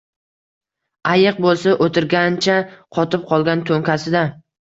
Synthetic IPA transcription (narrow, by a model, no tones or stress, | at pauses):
ajɨq̚bolˠsaʔot̪ʰɪɾɡʲant͡ʃʰaqʰɒt̪ɪp̚qʰɒlˠɡʲant̪ʰoŋkʲʰasɪd̪a